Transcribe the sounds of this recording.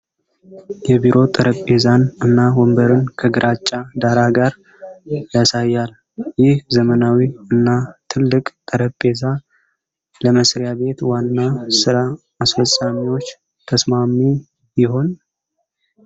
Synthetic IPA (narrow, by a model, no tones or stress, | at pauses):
jɛbiɾʔo̞t̪ʼəɾəpʼe̞zanɨnːawombəɾɨnkʰəɡɨɾʔat͡ʃʼːad̪aɾaɡaɾ | jasajːal | jɪhzəmənawiɨnːat̪ʰɨlːɨkʼt̪ʼəɾəpʼe̞za | ləməsɾjabe̞t̪wanːasɨɾaː | sfəsʼamiwo̞t͡ʃː | t̪ʰəsmami | jɪho̞n